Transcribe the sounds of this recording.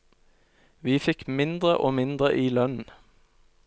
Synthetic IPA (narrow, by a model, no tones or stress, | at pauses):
ʋiːfɪkmɪnd̪ʁəʔoːmɪnd̪ʁəʔiːlœnn̩